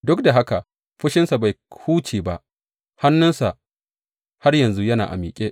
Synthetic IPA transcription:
dʊ˦k̚da˨ɦa˦ka˨ | ɸʊ˦ʃɪ˦nsa˨ba˨jhuː˦t͡ʃiː˨ba˦ʔ | ha˦nːʊ˦nsa˨ʔ | ha˦rjɐ˨nzu˦jɐ˦na̰ː˨ʔa̰˨miː˨kʲʼe˦ʔ

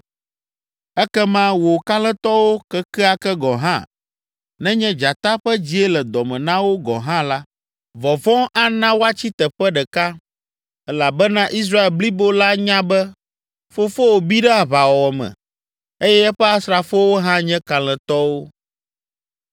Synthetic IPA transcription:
ɛ˦kɛ˦mã˦wo˨ka˦lɛ̃˦t̪ɔ˦wo˦kɛ˦kɛ˦a˦kɛ˦ɡɔ˨ɦã̰˦˨ | nɛ̃˦ɲɛ̃˦d͡ʒa˨t̪a˦ɸɛ˦d͡ʑi˨e˦lɛ˨d̪ɔ˨mɛ̃˨nã˦wo˦ɡɔ̰˨ɦã˦la˦ | vɔ˨vɔ̃˦a˦nã˦wo˦a˦t͡ɕi˦t̪ɛ˨ɸɛ˦ɖɛ˨ka˦ | ɛ˦la˨bɛ˦nã˦ʔi˦s̬ɾa˦e˨lbli˦bo˦la˦ɲã˦bɛ˦ | fo˦fo˦wo˨bi˦ɖɛ˦a˨βa˨wɔ˨wɔ˨mɛ̰̃˨ | e˦jɛ˦ɛ˦ɸɛ˦a˦sɾa˨fo˦wo˦ɦã˦ɲɛ̃˦ka˨lɛ̃˨t̪ɔ˦wo˦

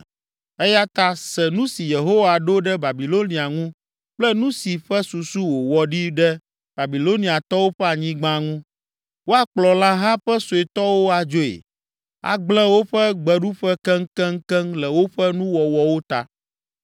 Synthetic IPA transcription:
ɛ˦ja˦t̪a˦sɛ˨nũ˦si˨je˨ɦo˦wa˨ɖo˦ɖɛ˦ba˨bi˨lo˦nĩ˨a˨ŋũ˦ | k͡plɛ˦nũ˦si˨ɸɛ˦su˨su˦wo˨wɔ˨ɖi˦ɖɛ˦ | b̥a˨bi˨lo˦nĩ˨a˨t̪ɔ˦wo˦ɸɛ˦a˨ɲĩ˦ɡ͡bã˦ŋũ˦ | wo˦a˨k͡plɔ˨la˦ɦã˦ɸɛ˦so˨e˨t̪ɔ˦wo˦a˨d͡ʒo˦ḛ˨ | a̰˨ɡ͡blɛ̃˦wo˦ɸɛ˦ɡ͡bɛ˨ɖu˦ɸɛ˦kɛ˦ŋ̩˦kɛ˦ŋ˦kɛ˦ŋlɛ˨wo˦ɸɛ˦nũ˦wɔ˨wɔ˨wo˦t̪a̰˨

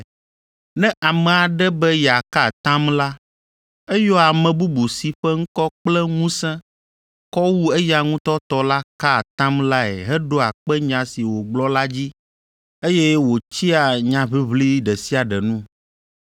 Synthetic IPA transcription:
nɛ̃˦ʔa˨mɛ̃˨a˨ɖɛ˦bɛ˦ja˨ka˦˨t̪ã˦mla˦ | e˦jɔ˦a˨mɛ̃˨bu˦bu˨si˨ɸɛ˦ŋ̩˦kɔ˦k͡plɛ˦ŋũ˦sɛ̃˦ | kɔ˦wu˦e˦ja˨ŋũ˦t̪ɔ˦t̪ɔ˦la˦ka˦˨t̪ã˦mla˦ɛ̰˨ɦɛ˦ɖo˦a˨k͡pɛ˦ɲã˨si˨wo˨ɡ͡blɔ˦la˦d͡ʑi˦ | e˦jɛ˦wo˨t͡ɕi˦a˨ɲã˨βi˦βli˦ɖɛ˨si˦a˨ɖɛ˨nũ˦

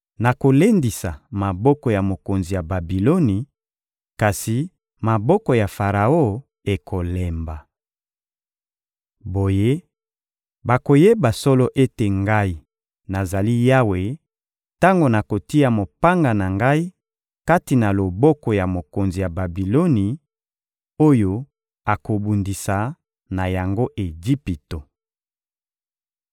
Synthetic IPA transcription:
na˨ko˨le˦ndi˨sa̰˨ma˨bɔ˦kɔ˨ja˨mo˨ko˨nzi˨ja˨ba˨bi˨lo˦ni˨ | ka˨si˨ | ma˨bɔ˦kɔ˨ja˨fa˨ʁa˨o˦ | e˨kʰo˨le˨mba˨ | bo˨je˦ | ba˨ko˨je˦ba˨sɔ˦lɔ˦ʔe˦te˨ŋɡa˦i˦ | na˨za˨li˦ja˦we˨ | ta˦ŋɡo˨na˨ko˨ti˦ja˨mo˨pa˦ŋɡa˨na˨ŋɡa˦i˦ | ka˦ti˨na˨lo˨bɔ˦kɔ˨ja˨mo˨ko˨nzi˨ja˨ba˨bi˨lo˦ni˨ | o˦jo˦ | a˨ko˨bu˨ndi˨sa˨ | na˨ja˨ŋɡo˦ʔe˨ɡi˦pi˨to˨

